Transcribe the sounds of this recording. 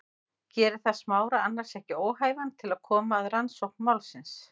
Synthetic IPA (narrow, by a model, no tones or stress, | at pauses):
cɛːɾɪθaðsmaːwɾaanːaɾ̥sɛhcɪoːwɦaːjvant̪ʰɪlaðkʰɔːmaːðɾansowhknmawlsɪns